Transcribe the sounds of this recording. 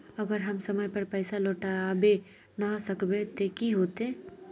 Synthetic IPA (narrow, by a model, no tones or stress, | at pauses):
əɡəɾɦɐmsəməjpɐɾpɛɪsaloːʈabe | nasəkbet̪ekiɦoːt̪e